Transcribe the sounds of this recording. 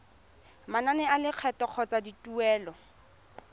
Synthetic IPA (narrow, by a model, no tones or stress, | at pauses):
mananɛalɪq͡χʰɛtɔq͡χʰɔt͡saditʼuɛːlɔ